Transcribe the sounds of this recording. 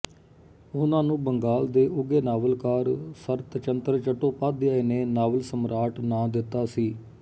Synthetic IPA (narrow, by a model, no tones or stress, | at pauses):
ʊnãːnũːbəŋɡaːld̪eːʔʊɡeːnaːʋəlkaːɾsəɾt̪t͡ʃənt̪ɾt͡ʃəʈoːpaːd̪ɪjaːeːneːnaːʋəlsəmɾaːʈnãːd̪ɪt̪ːaːsiː